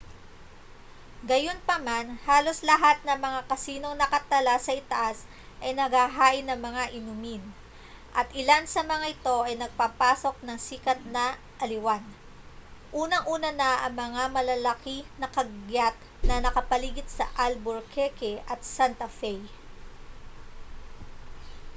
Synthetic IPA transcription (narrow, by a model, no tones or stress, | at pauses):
ɡɐjo̞npɐmanhaːlo̞slɐɦat̪̚nɐŋmɐŋakɐsiːno̞ŋnɐkɐt̪ɐlasɐʔɪt̪ɐʔas | ʔɐjnɐɡaɦaːʔɪnːɐŋmɐŋaʔɪnʊmin | ʔɐt̪ʔɪlansɐmɐŋaʔɪt̪o̞ʔɐjnɐɡ̚papaːso̞k̚nɐŋsiːkɐt̪̚nɐ | ʔɐlɪwan | ʔuːnɐŋʔuːnɐnɐʔɐŋmɐŋamɐlɐlɐkinɐkɐɡɡjat̪̚ | nɐnɐkɐpɐliːɡɪt̪̚sɐ̰ʔɐlboɹkʰɛkɛʔɐt̪̚sant̪ɐfɛj